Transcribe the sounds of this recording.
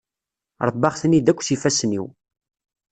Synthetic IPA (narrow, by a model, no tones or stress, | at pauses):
ɾˤəbːɑχθənid̪ækʷːθifæsniw